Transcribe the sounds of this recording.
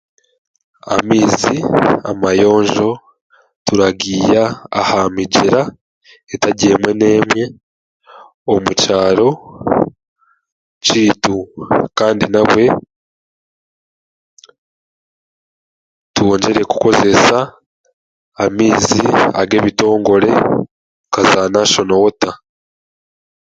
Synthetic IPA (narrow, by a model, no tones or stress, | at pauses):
a̰miːzia̰majo̞ːɲʒo̞ | tuɾaɡiːja̰ːhamiɟeɾa | etaɟiemwe̞ne̞ːmwe̞ | omucaːɾo̞ | ciːtukaːndinaβwe̞ | tuo̞ːɲɟe̞ɾe̞ku̥ko̞ze̞sa | miːziaɡe̞ːβito̞ːŋɡo̞ɾe̞ | kazanaʃo̞nowota